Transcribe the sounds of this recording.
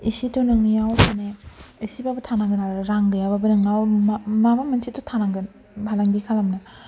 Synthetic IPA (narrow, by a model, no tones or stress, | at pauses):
isitonɐŋjawpʰaneisibabɐtʰanaŋɡɐnaɾaŋɡɯjababɐnɯŋammamamɐnsitotʰanaŋɡɐn | bʱalaŋɡikʰalamnɐ